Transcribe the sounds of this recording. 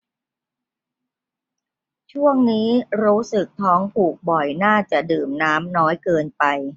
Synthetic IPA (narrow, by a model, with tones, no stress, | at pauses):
t͡ɕʰu˥˩əŋniː˦˥ɾuː˦˥sɯ˨˩k̚t̪ʰɔː˦˥ŋpʰuː˨˩k̚bɔ˨˩jnaː˥˩t͡ɕa˨˩dɯː˨˩mnaː˦˥mnɔː˦˥jkɤː˧npa˧j